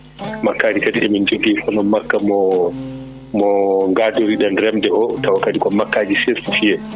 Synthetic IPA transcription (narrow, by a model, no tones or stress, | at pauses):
makːaːd͡ʒikadiɛmind͡ʒoɡifɔnɔmakːamɔ | mɔŋɡadoɾiɗanɾɛmdɛʔɔtawakadikɔmakːaːd͡ʒiseɾfufiɛ